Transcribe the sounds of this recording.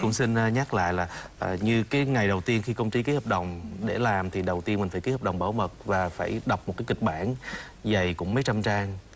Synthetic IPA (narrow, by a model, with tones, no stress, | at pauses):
kʊ̰˧˥ŋ͡msi˧n˧ɲa˦˥k̚la̰ː˧˨jlaː˨˩ʔːɲɨ˧kaː˨˦jŋa˨˩jɗə˨˩wt̪i˧ənxi˧kə˧wŋ͡mt͡ɕi˧ki˨˦həː˨˩p̚ɗə˨˩wŋ͡mɗe˧˩laː˨˩mt̪ʰi˨˩ɗə˨˩wt̪i˧ənmï̟˨˩faː˧˩ki˨˦həː˨˩p̚ɗə˨˩wŋ͡mɓaː˧˩wmə˨˩t̚vaː˨˩faː˧˩jɗa˨˩wk͡p̚mo˨˩t̚kaː˨˦jki˨˩k̟̚ɓaː˧˩n | za˨˩jkʊ̰˧˥ŋ͡mmə˨˦jt͡ɕa˧mt͡ɕaː˧ŋ